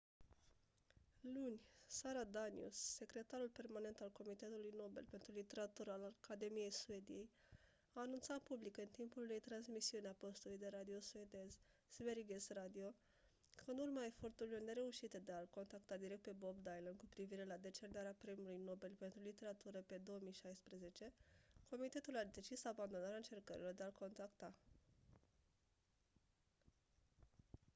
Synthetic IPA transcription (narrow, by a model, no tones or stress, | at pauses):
lunʲsaɾad̪anḭṵsːe̞kɾe̞t̪aɾulpe̞rmane̞nt̪alko̞mit̪e̞t̪ulujno̞be̞̰lpe̞nt̪ɾulit̪e̞ɾat̪uɾəalakad̪e̞mije̞jsue̞d̪ije̞j | aːnunt̪sat̪̚publikɨnt̪impulːejt̪ɾansmisiuneapo̞st̪ulujd̪e̞ɾad̪io̞sue̞d̪e̞z | sveɾiɡesrad̪io̞ | kʰəunurmae̞fo̞rt̪uɾilo̞rne̞ɾe̞uʃit̪ed̪ealko̞nt̪ak̚t̪ad̪iɾek̚t̪̚pe̞bo̞bd̪ajlənkupɾiviɾe̞lad̪e̞t͡ʃe̞rnaɾeapɾemulujno̞belpe̞nt̪ɾulit̪e̞ɾat̪uɾəpe̞d̪o̞oəmijʃajspɾeze̞t͡ʃe̞ko̞mit̪e̞t̪ulad̪e̞t͡ʃisaband̪o̞naɾeaɨnt͡ʃe̞rkəɾʔilo̞rd̪e̞alko̞nt̪akt̪a